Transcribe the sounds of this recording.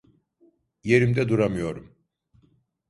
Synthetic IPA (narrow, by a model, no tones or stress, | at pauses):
je̞ɾimd̪ɛd̪uɾamɯjo̞ɾum